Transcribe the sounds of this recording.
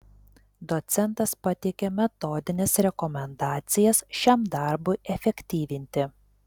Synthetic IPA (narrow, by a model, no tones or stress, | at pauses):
d̪ɔt̪sʲɛnt̪ɐspɐt̪ʲɛɪkʲemʲɛt̪ɔːd̪ʲɪnʲesɾʲɛkɔmʲɛnd̪ɑːt̪sʲɪjɛsʃʲɛmd̪ɑˑɾbʊɪʔɛfʲɛkʲt̪ʲiːʋʲɪnʲt̪ʲɪ